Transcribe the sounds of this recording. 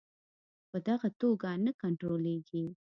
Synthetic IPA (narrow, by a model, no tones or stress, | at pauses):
pəd̪aɣat̪oɡanakaɳʈɾoleɡi